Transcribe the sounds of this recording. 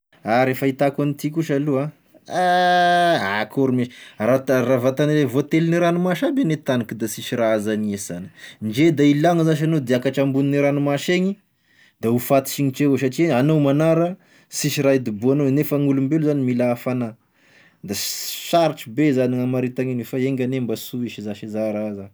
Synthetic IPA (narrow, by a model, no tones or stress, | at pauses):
aɾefəit̪akanit̪ikuʃalua | a | akʰoɾumiʃi̥rat̪ravat̪anilevot̪eliniɾanumaʃabenet̪anikid̪asiʃiɾaazaniesani̥nd͡ʒed̪ailaŋəzaʃ̬anod̪iakaʈ͡ʂambuniniɾanumaʃeɲi | d̪aufat̪i̥ʃiŋiʈ͡ʂewes̬aʈ͡ʂianowmanaɾə | siʃiɾaid̪ibuanonefəŋulumbeluzanimilaːfana | d̪asaɾiʈ͡ʂubezaniŋamaɾit̪aŋenufaeŋɡʲanembasuiʃizaʃizaɾazan